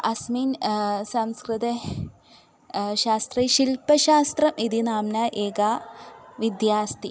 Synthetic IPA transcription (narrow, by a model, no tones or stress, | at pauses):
ɐsmiːnsɐmskrɨd̪ɐ | ʃaːst̪rɐʃilpɐʃaːst̪rɐmʔid̪inaːmnaːʔeːɡaːʋid̪jaːst̪i